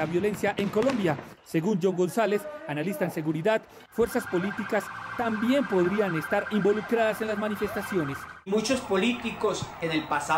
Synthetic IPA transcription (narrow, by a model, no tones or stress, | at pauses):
aβjo̞le̞nsjaʔeŋko̞lõ̞mbjase̞ɣund͡ʒo̞ŋɡo̞nsale̞sanalist̪aense̞ɣuɾiðad̪ | fwe̞ɾsaspo̞lit̪ikast̪ambje̞mpo̞ðɾiane̞st̪aɾimbo̞lukɾaðase̞nlazmanife̞st̪asjo̞ne̞smut͡ʃospolit̪iko̞senelpasa